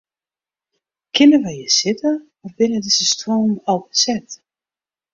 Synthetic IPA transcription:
kʰɪnəʋɛjjəsɪtə | ɔfbɪnədɪzəstroːmɔlˠbəsɛt

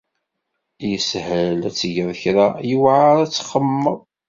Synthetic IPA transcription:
jəshəlæt͡sːʝəðˤçɾajəwʕaɾæt͡sːχəmːəðˤ

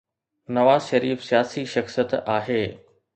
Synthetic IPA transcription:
nɐʋaːzʃɐɾiːfsijaːsiʃɐxsijət̪aːɦeː

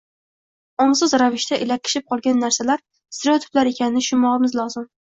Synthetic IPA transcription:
ɒmsʊzɾavɪʃt̪ʰaʔɪlakʲʰːɪ̥ʃɪp̚qʰɒlˠɡʲanːaɾsalaɾ | st̪ɪɾot̪ʰʊ̥plaɾekʲʰanɪnɪʃʊmɒʁɨmɪzlˠɒzɪm

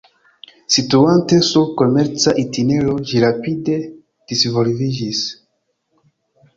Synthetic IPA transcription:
situante̞suɾko̞me̞ɾt͡saʔitineɾo̞d͡ʒiɾapide̞ | d̥isvo̞lvid͡ʒis

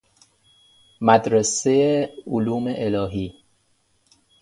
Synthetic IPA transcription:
mæd̪ɾesejeoluːmeʔelɒːɦiː

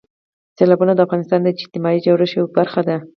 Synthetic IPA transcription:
selɑbunad̪əafɣɑnɪst̪ɑnd̪əɪd͡ʒt̪ɪmɑid͡ʒawɽaʃewbaɾxad̪a

